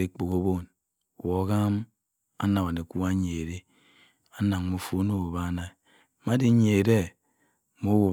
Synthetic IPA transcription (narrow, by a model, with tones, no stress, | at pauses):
e˦k͡po˨ko˦bo˦˨n˨ | wo˨˦ɣa˦m | a̰˦na˨ma˨ne˨ku˦a˦ɲe˨ɾe˦ | a˦na˨ŋ˦mo˨fo˦no˦˨wo˨βa˦na˨i˨ | ma˦di˦ɲe˨ɾe˦ | mo˦wo˨